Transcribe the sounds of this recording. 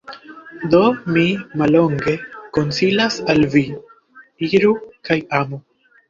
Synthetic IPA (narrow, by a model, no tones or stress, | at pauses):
d̪o̞mimalo̞ŋɡe̞ko̞nsilasalvi | iɾukajamu